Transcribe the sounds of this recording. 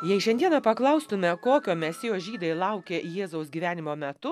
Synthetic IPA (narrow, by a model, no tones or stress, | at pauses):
jɛɪʃʲɛnʲd̪ʲiɛnɐpɐklˠɐʊst̪ʊmʲɛkoːkʲoːmʲɛsʲɪjoːʒʲiːd̪ɐɪlˠɐʊkʲeːjeːzɐʊsɡʲiːʋʲæːnʲɪmoːmʲɛt̪ʊ